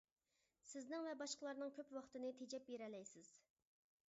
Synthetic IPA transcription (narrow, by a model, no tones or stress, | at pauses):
sɪznɪŋvɛbɑʃqəlˠɑɾnɨŋkʲʰøpwɑχt̪ɨnɨt̪ʰed͡ʒɛp̚beɾɛlɛjsɪz̥